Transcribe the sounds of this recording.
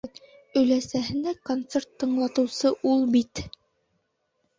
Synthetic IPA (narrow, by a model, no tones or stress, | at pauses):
ɵ̆læsæɦɘ̆nækont̪sert̪ːɤ̆ɴlˠɑt̪ɤ̆wsɤʔulˠbit̪